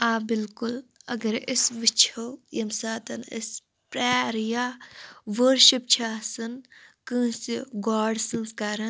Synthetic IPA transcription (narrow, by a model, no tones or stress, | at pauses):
aːbɪlkʊlɐ̰ɡɐɾɪsʋit͡ʃʰojɐmsaːt̪ɐnɪ̰s | pɾaːɾjaːʋəɾʃipt͡ʃʰaːsɨnkɨ̃ːsiɡaːɖsɨnskaːɾɐ